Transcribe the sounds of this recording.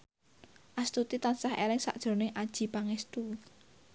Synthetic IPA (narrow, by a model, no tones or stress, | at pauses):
ʔast̪ut̪it̪ansahḛlɪŋsa̰ʔd̥ʒ̥ɾo̤nɪŋʔad̥ʒ̥i̤paŋɛst̪u